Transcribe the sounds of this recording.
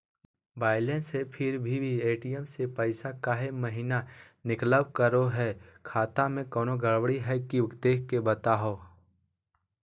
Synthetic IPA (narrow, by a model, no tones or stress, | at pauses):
baːɪlẽnsepʰɪɾbʱibʱieːʈijəmsepəɪsakaːɦeməɦina | nɪkləb̚kəɾoɦɛkʰaːt̪amẽkɔːnoɡəɭwəɽiɦɛkiʊpd̪eːkkebɐt̪aɦoː